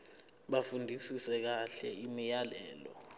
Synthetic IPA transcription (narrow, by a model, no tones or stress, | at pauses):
ɓafundʱisisɛk̬aɬɛimijalɛːlɔ̰